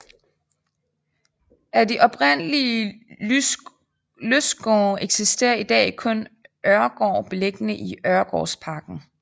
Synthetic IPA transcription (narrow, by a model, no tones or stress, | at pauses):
ʔæd̥iʔɒ̽b̥ʁen̰əli | løsɡ̥ɒːeɡ̥sisd̥e̝̰ːɐid̥ɛ̰ːkʰɔ̽nʔœɐɡ̥ɒ̰ːb̥e̝leɡ̥ənəʔiɶɐɡ̥ɒ̰ːspʰɑ̈ːɡ̥n̩